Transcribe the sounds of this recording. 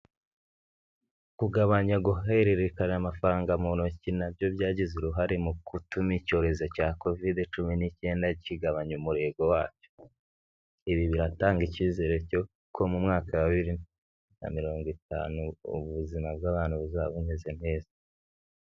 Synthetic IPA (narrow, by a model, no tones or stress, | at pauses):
kuɡaβaɲaɡuɦeɾeɾekanamafaɾaːŋɡamunocinabɟo̞bɟaːɟizuɾuɦaɾimukutumico̞ːɾe̞zo̞caːko̞videt͡ʃuminice̞ːndaciɡaβaɲumuɾe̞ɡo̞waːt͡ʃo̥ | iβiβiɾataːŋɡiciːze̞ɾe̞co̞ | kʰo̞mumŋaːkawaβiɾi | na̰miɾo̞ːŋɡita̰ːnṵːβuzimab̚ɡaːβaːnhuβuzaːβuneze̞n̥he̞ːza